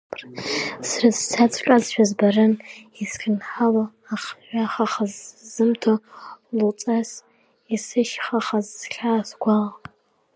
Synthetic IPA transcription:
rsrɨzt͡sʰat͡sʰʼɬʷʼazʃʷᶣɔzbɐrɨniskɨnħalɐ | aχʒʷaχɐχəzzɨmtʰolʊt͡sʼɐs | isɨʃχɐχɐzɬaːsɡʷɑʁ

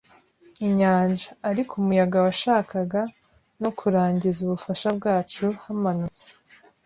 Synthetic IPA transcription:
iɲaːnʒaːɾikʰumujaɡawaʃaːkaɡa | nokʰuɾaːɲɟizuβufaʃab̚ɡaːt͡ʃuhamanut͡se̥

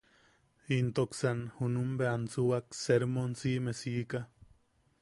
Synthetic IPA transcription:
int̪oksanhunumbeant͡suwakseɾmonsimesika

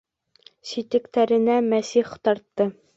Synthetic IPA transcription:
ɕit̪ɘ̆kt̪æɾɘ̆næmæsiχt̪ɒɾt̪ːɤ

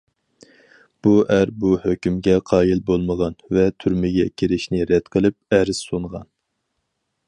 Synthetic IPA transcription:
b̥uʔæɾbuhøkʲymɡʲɛqʰɑːjilbolˠməʁɑnvɛt̪ʰyɾmɪɡʲɛkʲʰeɾɪʃnɪɾɛd̪̥qʰəlˠɨp̚æɾɪz̥sonʁɑ̰n

